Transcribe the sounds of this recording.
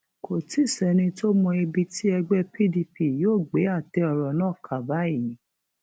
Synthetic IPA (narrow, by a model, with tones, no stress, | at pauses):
kʰo˨ti˦˨sɛ˨nĩ˧to˦mɔ̃˧e˧bi˧ti˦ɛ˧ɡ͡bɛ˦pʰi˦˨di˧pi˨joː˦˨ɡ͡be˨˦a˦˨tɛ˧˦ɔ˧ɾɔ˨nãː˦˨kʰa˨ba˨˦i˦˨nĩ˨˦